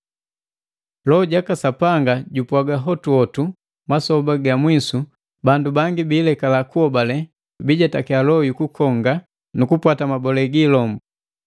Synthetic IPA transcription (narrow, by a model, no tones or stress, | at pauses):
lɔɟakasapaŋɡaɟupwaɡaɦɔtuɔtu | masɔbaɡamwisu | bandubaŋɡibiːlɛkalakuɔbalɛ | biɟatakialɔjukukʰɔŋɡa | nukupwatamabɔlɛɡilɔmbu